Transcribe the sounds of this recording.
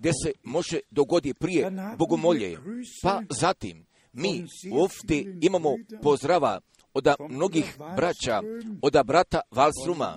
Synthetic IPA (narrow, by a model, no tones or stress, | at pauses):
ɡd̪e̞se̞mo̞ʒed̪o̞ɡo̞d̪ipɾije̞bo̞ɡo̞mo̞ʎḛpazat̪ḭmː | iːuoːfd̪ʲjeimamo̞po̞zd̪ɾaʋa̰ | o̞d̪amno̞ɡixbɾat͡ɕaod̪abɾat̪aʋalst̪ɾuma̰